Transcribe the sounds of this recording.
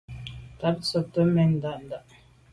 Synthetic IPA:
ta˨˦p̚sə˨tə˦mɛ˨n̩˨da˦˨ʔn˨da˦˨ʔ

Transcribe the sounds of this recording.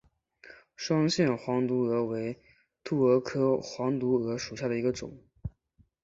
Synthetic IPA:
ʂwɑ˥ŋɕjɛ˥˩nxwɑ˧˥ŋt̪u˧˥ɤ˧˥we˧˥ɪ | t̪ʰu˥˩ɤ˧˥kʰɤ˥xwɑ˧˥ŋt̪u˧˥ɤ˧˥ʂu˨˩ɕja˥˩d̪ə˩i˧˥ɡə˧ʈ͡ʂʊ̰˨˩˦ŋ

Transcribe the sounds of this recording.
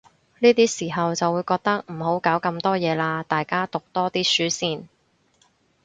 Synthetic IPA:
niː˥t̪iː˥siː˨˩ɦɐ˨wt͡sɐ˨wːuː˨˧jkɔː˧k̚t̪ɐ˥k̚m̩˨˩ɦo˨˥wkaː˨˥wkɐ˧mt̪ɔː˥jɛː˨˧laː˧t̪aː˨jkaː˥t̪ʊ˨k̚t̪ɔː˥t̪iː˥syː˨˥siː˧n

